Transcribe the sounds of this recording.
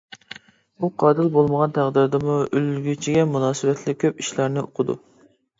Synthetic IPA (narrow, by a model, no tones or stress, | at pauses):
buqʰɑːd̪ɨlbolˠməʁɑnt̪ʰæʁd̪ɪɾd̪ɨmuølɡʲyt͡ʃʰiɡʲɛmunɑːsɨwɛt̪ʰlɪkʲʰːøpiʃlæɾnɪoqʰʊd̪ṵ